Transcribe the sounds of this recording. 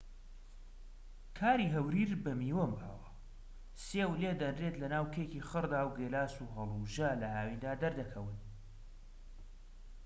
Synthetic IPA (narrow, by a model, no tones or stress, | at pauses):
kʰaːɾiɦɐwɾiːɾbɐmiːwɐmba̰ːwɐ | seːwled̪ɐnreːt̪lɐnaːwkʰekiχɨɾd̪aːwɡelaːsuɦɐlˠuʒalɐʔaːwind̪aːd̪ɐɾd̪ɐkʰɐwɨn